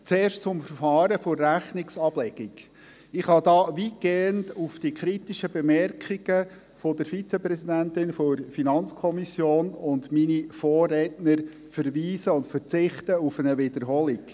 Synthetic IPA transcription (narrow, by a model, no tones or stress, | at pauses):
t͡seːrʃtt͡sʊmfəɾfɑːɾəfʊrːæχnɪksɑb̥lɛɡ̥iɡ | ɪχhɑdɑːʋit̚ɡ̥eːəntufd̥ikʰɾitiʃəbɛmɛrkχiɡ̥ə | fɔd̥əɾfit͡sɛpɾɛsidæntɪnfoɾfinɑnt͡skʰɔmisjoːnʊndminifoːrːɛtnəɾ | fəɾʋiːsəʊntfəɾt͡sɪχt̪əufənəʋɪd̪əɾɦɔliɡ